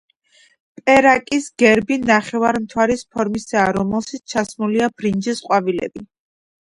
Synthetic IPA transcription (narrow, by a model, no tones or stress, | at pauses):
pʼɛɾakʼisɡ̥ɛɾbinaχɛvaɾmt̪ʰwaɾispʰɔɾmisaːɾɔmɛlˠʃit͡ʃʰasmuliab̥ɾind͡ʒɛsqʼwavilɛ̰bi